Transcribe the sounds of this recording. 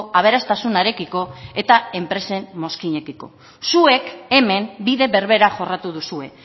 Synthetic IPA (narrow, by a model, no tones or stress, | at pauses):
aβ̞e̞ɾast̪asunaɾe̞kiko̞e̞t̪ae̞mpɾe̞se̞mːo̞skiɲe̞kiko̞̰ | sue̞ke̞me̞mbiðe̞βe̞ɾβe̞ɾaʝo̞rat̪uðusue̞